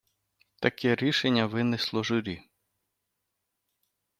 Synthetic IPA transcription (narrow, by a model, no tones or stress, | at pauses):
t̪ɐkɛɾʲiʃenʲːɐʋɪnɪslˠɔʒʊɾʲi